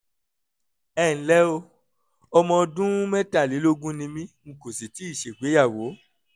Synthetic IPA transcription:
ɛː˦˨n̩˨˦lɛ˦o˧ | ɔ˧mɔ̃˧dũ˦mɛ̃˦ta˦˨li˨˦lo˦ɡũ˦nĩ˧mĩ˦m̩̃˨ko˨si˨ti˨˦i˦˨ʃe˨ɡ͡be˨˦ja˦˨wo˨˦

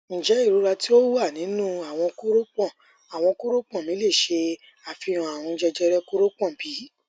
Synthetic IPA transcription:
ñ̩˨d͡ʒɛ˨˦i˦˨ɾu˨˦ɾa˧ti˦o˦wu˦a˦˨nĩ˨˦nũ˦a˨w̃ɔ̃˧ko˦ɾo˦k͡pɔ̃˦˨ | a˨w̃ɔ̃˧ko˦ɾo˦k͡pɔ̃˦˨mĩ˨˦le˦˨ʃe˧ | a˨fĩ˧ɔ̃˨a˨w̃ɔ̃˧d͡ʒɛ˧d͡ʒɛ˧ɾɛ˦ko˦ɾo˦k͡pɔ̃˦˨bi˨˦

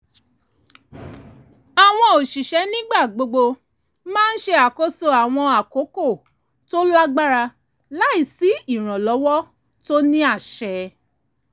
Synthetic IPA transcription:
a˨w̃ɔ̃˧o˨ʃi˨ʃɛ˨˦nĩ˦ɡ͡ba˦˨ɡ͡bo˧ɡ͡bo˧ | mãː˦n̩˦ʃe˧a˨ko˦so˦a˨w̃ɔ̃˧a˨ko˨˦ko˦˨ | to˦la˦ɡ͡ba˦ɾa˧ | la˦i˦˨si˨˦i˦˨ɾ̃ɔ̃˨lɔ˨˦wɔ˦ | to˦nĩ˦a˦˨ʃɛ˨

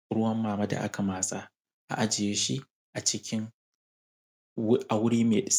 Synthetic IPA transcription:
ɽʊ˦wɐ˦mːaː˨ma˦da̰˨ʔa̰˦kʰa˨maː˨sa˦ | ʔa̰˨ʔa˦d͡ʒɪ˨jeː˦ʃi˦ | ʔa˨t͡ʃɪ˦kʲɪ˦ŋ | ʔa˨wʊ˦ɽiː˦meː˨ɗɪ˨˦s

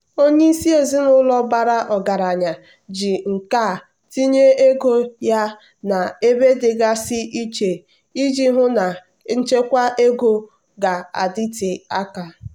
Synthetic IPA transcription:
o˦ɲe˦i˦si˦e˨zi˦nʊ˦lɔ˦ba˨ɾa˦ʔɔ˨ɡa˨ɾa˨ɲa˨ | d͡ʒi˨ŋ̩˨ka˦˨ | ti˦ɲe˦e˦ɡo˦ja˦ | na˨e˦be˦dɪ˨ɡa˦sɪ˦ʔi˦t͡ʃe˨ | i˦d͡ʒi˦ɦʊ˦na˨ | n̩˦t͡ʃe˦kʷa˦ʔe˦ɡo˦ | ɡa˨a̰˨di˦ti˨a˦ka˨

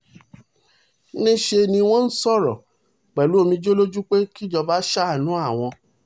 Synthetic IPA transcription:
nĩ˦ʃe˧nĩ˧w̃ɔ̃˦n̩˦sɔ˦˨ɾɔ̰˨ | k͡pɛ˨lu˨˦o˧mĩ˧d͡ʒo˦lo˦d͡ʒu˦k͡pe˦ki˦d͡ʒɔ˧ba˦ʃa˦˨nũ˨˦a˦˨w̃ɔ̃˧

